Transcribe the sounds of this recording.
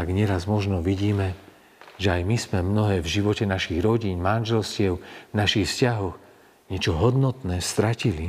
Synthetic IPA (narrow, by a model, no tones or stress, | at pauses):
aɡɲɛɾazmɔʒnɔʋiɟiːmɛ | ʒɛajmismɛmnɔɦɛːvʒiʋɔcɛnaʃiɣɾɔɟiːnmanʒɛlscɪɛʊvnaʃixfscaɦɔɣ | ɲɛt͡ʃɔɦɔd̪nɔt̪nɛːst̪ɾacili